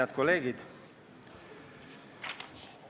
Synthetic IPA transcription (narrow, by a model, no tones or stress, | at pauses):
ɑt̪koleːɡ̥id̪̥